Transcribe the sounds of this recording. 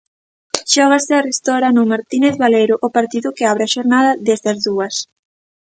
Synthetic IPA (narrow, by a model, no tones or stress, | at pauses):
ʃɔɣ̞asearest̪ɔɾanʊmaɾt̪ineθβalejɾʊʔːpaɾt̪iðʊkeaβɾeaʃoɾnaðɐðezðazðuɐs